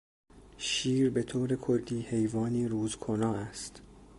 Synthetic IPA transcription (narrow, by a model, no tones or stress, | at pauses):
ʃiːɾbe̞t̪ʰoːɾe̞kʰolːiːhe̞jvɒːniːɾuːzkʰonɒːæst̪